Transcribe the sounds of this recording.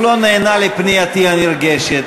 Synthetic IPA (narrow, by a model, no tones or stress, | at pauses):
lonɛːnalepnijat̪ianiɾɡeʃet̪